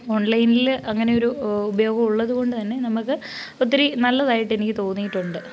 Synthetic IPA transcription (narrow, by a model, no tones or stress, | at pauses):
o̞ːɳlɐjnilɐŋːɐne̞oɾuubɐjo̞ːɡɐmuɭːɐðuko̞ɳɖɨt̪ɐnːe̞nɐmukːɨ | o̞t̪ːiɾenɐlːɐðaːjiʈːe̞nikʲːɨt̪o̞ːnːijiʈːuɳɖɨ